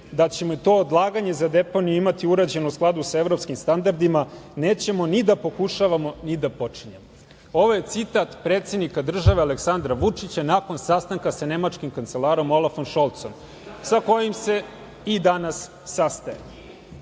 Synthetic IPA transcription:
d̪at͡ɕe̞mot̪o̞od̪lˠaːɡaɲe̞zad̪e̞po̞nijuimat̪iuɾad͡ʑe̞nusklˠad̪usaevɾo̞pskimst̪and̪aɾd̪imane̞ːt͡ɕe̞mo̞nid̪apo̞kuʂaʋamo̞nid̪apo̞t͡ʂiɲe̞mo | o̞ʋo̞je̞t̪sit̪at̪pɾeːt̪se̞d̪nikad̪r̩ʒaʋealeksand̪ɾaʋut͡ʂit͡ɕanako̞nsast̪aŋkasane̞mat͡ʂkimkant̪se̞lˠaːɾo̞mo̞lˠafo̞nʃolˠt̪som | sako̞jimse̞ | id̪anasː | ast̪aje

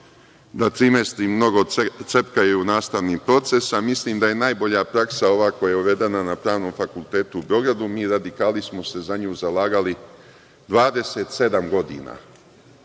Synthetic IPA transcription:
d̪at̪ɾimest̪ɾimno̞ɡo̞sepkajeunaːst̪aʋniːpɾo̞t̪se̞samisliːmd̪aje̞naːjbo̞ʎapɾaksao̞ʋaːko̞jaeuʋe̞d̪e̞nanapɾaːʋno̞ːmfakulˠt̪e̞ːt̪uubeo̞ɡɾad̪umiːɾad̪ikaːlismo̞se̞zaɲuːzalaːɡali | d̪ʋaːd̪e̞set̪se̞d̪amɡo̞d̪ḭːna̰

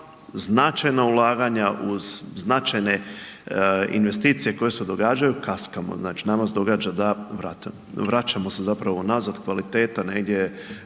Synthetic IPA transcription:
znat͡ʃajnaulˠaːɡaɲaʔuz̥ːnat͡ʃajne̞ | ḭnʋe̞st̪iːt̪sije̞ko̞je̞se̞d̪o̞ɡaːd͡ʒajukaskamo̰znaːt͡ʃinamasd̪o̞ɡaːd͡ʒad̪aʋɾat̪ | ʋɾat͡ʃamo̞se̞zapɾaʋonazad̪kʋalit̪e̞ːt̪ane̞ɡd̪ʲje̞

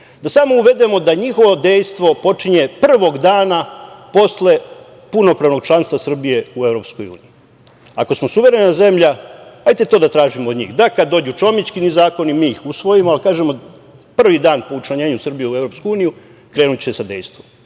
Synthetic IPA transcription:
d̪asaːmo̞uʋe̞d̪e̞mo̞d̪aɲixo̞ʋo̞d̪ejst̪ʋo̞po̞t͡ʂiɲepr̩ʋo̞ɡd̪aːnapo̞sle̞ | puno̞pɾaʋno̞ɡ̚t͡ʃlˠanst̪ʋasr̩bije̞uevɾo̞ːpsko̞jṵːniji | ako̞smosuʋe̞ɾe̞naze̞mʎahajt̪et̪oːd̪at̪ɾaːʒimood̪ɲḭːxd̪akad̪d̪ːo̞ːd͡ʑut͡ʃo̞mit͡ɕkinizaːko̞nimiːxusʋo̞jimoalikaːʒemo | pr̩ʋid̪aːnpo̞ut͡ʃlaɲeːɲusr̩bijeue̞vɾo̞pskuuːniju | kɾeːnut͡ɕi̥sesad̪ḛjst̪ʋom

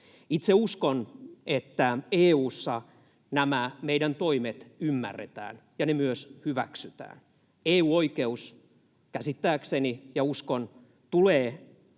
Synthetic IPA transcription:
it̪seuskonet̪ːæeːuːsːɑ | næmæmeidænt̪oimet̪ymːæ̰rːet̪æ̰ːnjɑnemyøshyʋæ̰ksyt̪æ̰ːn | eːuːoikeus | kæsit̪ːæːksenijɑuskon | t̪uleː

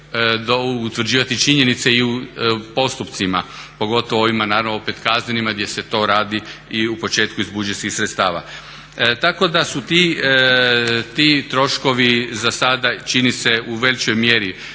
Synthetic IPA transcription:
d̪out̪ʋɾ̩d͡ʑiːʋat̪it͡ʃiɲe̞nit̪seiupo̞st̪upt̪simapo̞ɡo̞t̪oʋooʋimanaːɾanoo̞pe̞t̪kazɲenimaɡd̪je̞se̞t̪o̞ɾaːd̪iiupo̞t͡ʃe̞ːt̪kuizbud͡ʒeskixsɾet̪st̪aːʋa̰ | t̪ako̞d̪asut̪i | t̪it̪ɾo̞ʃko̞ʋizasad̪at͡ʃinise̞uʋe̞lit͡ʃo̞jmje̞ɾi

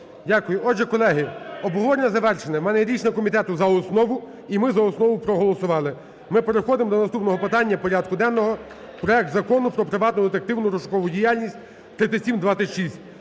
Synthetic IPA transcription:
dʲakʊjʊɔʒɛkɔlˠɛɦɪɔbɔʋɔɾʲnʲɐzɐʋɛrʃenɛmɛnɛɾʲit͡ʃnʲɛkɔmʲit̪ɛt̪ʊzɐɔsnɔʋʊ | imɪzɐɔsnɔʋʊpɾɔɦɔlˠɔsʊʋɑlˠɪ | mɪpe̞ɾexɔd̪ɪmd̪ɔnɐst̪upnɔɦɔpɪt̪ɑnʲːɐpɔɾʲad̪̚kʊd̪ɛnːɔɦɔ | pɾɔɛk̚t̪zɐkɔnʊpɾɔpɾɪʋɑt̪nʊd̪et̪ek̚t̪ɪwnʊɾɔʃʊ̥kɔʋʊdʲijalʲnʲisʲtʲ | t̪ɾɪt̪ʲɪsʲimd̪ʋɑt̪ʲɪtʲʃisʲtʲ

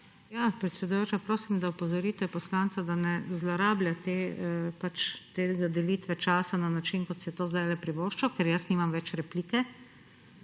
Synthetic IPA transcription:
jaːpɾɛt̪sɛd̪ujoːt͡ʃapɾoːsimd̪aɔpɔzɔɾiːt̪ɛpɔslaːnt̪sad̪anɛzlɔɾaːbljat̪eːpat͡ʃt̪eːɡad̪ɛliːt̪ʋɛt͡ʃaːsananat͡ʃinkɔt̪sjɛt̪oːzd̪ajlɛpɾiʋoːʃt͡ʃɔkɛɾjasniːmamʋɛt͡ʃɾɛpliːkɛ

